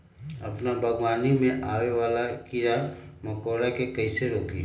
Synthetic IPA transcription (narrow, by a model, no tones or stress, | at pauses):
əpnabʱəɡwaːnimẽʔaːwewaːlakiɾa | məkoːɽakekəiseɾoːkḭː